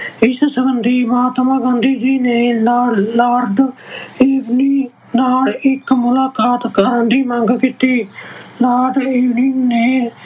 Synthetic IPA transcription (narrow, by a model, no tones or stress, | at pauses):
ɪssəbənd̪iːməɦaːt̪maːɡãnd̪iːd͡ʒiːneːlːlaːɾd̪iːʋniː | naːlɪkmʊlaːkaːt̪kəɾənd̪iːmə̃ŋɡkiːt̪iːlaːɾd̪iːʋniːneː